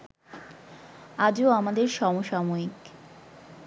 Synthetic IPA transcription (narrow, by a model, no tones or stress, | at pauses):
ad͡ʑooamad̪eɾʃɔmoʃamoik